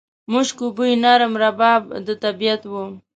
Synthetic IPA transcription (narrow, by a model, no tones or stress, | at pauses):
muʃkubujnaɾəmɾabɑb̚d̪ət̪abijat̪wu